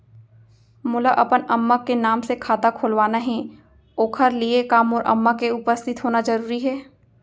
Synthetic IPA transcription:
mʊlaʔɐpənɐmːakenaːmsekʰaːt̪akʰoːlʋaːnaɦɛ̃ | oːkʰəɾliekaːmɔːɾʔɐ̰mːakeʊpəst̪ʰɪt̪ɦoːnazɐɾuːɾiɦɛː

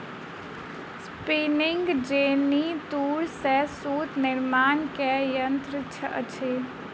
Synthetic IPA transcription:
spinɪŋɡd͡ʒeːnit̪uːɽsɛsuːt̪nɪɾmaːnkɛjənt̪ɾɪt͡ʃʰəət͡ʃʰe

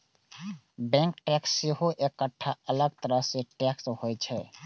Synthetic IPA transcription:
bɛ̃ŋkʈɛksːeɦoʔekːəʈʰːaələɡ̚t̪əɾəɦseʈɛkshojt͡ʃʰɛ

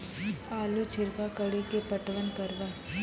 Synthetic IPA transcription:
aːlut͡ʃʰɪɾkakəɽikepəʈʋənkɐɾʋaː

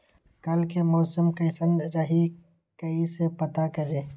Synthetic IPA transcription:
kɐlkemɔːsumkɐɪsə̃nd̪ɾɐɦi | kɐisepɐt̪akɐɾeː

